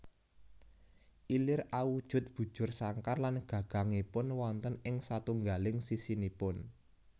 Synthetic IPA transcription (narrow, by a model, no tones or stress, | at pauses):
ʔilɪrawud̥ʒ̥ʊ̤t̪̚b̥ṳd̥ʒ̥ʊ̤rsaŋkarlanɡ̥ä̤ɡ̥a̤ŋepʊnwɔnt̪ənɪŋsat̪uŋɡalɪŋsisinipʊn